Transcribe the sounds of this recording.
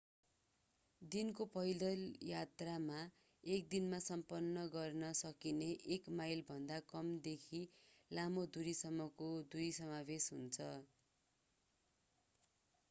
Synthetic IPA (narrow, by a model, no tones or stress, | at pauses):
d̪inkopʌjlʌljat̪rama | ek̚d̪inmasʌmpʌnːʌɡʌrnʌsʌkineʔekmajlbʱʌnd̪akʌmd̪ekʰilamod̪uɾisʌmːʌkod̪uɾisʌmabesɦunt͡sʰʌ